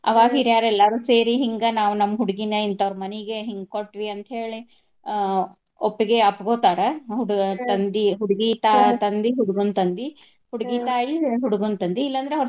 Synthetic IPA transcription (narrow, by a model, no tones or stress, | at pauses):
ɐʋaːɡiːɾjaːɾɛlːɐɾuːseːɾiɦiŋɡɐnaːʋunɐmːɐɦuɽuɡinɐint̪ɐʋɾɐmɐniɡe̞ɦiŋɡkoʈʋiɐnt̪ɦe̞ːɭi | opːiɡe̞ɐpːɐɡoːt̪aːɾɐɦuɽt̪ɐnd̪iɦuɽuɡit̪at̪ɐnd̪iɦuɽuɡunt̪ɐnd̪i | huɽuɡiːt̪aːjiɦuɽuɡunt̪ɐnd̪iːlːɐnd̪ɾeɐʋɾ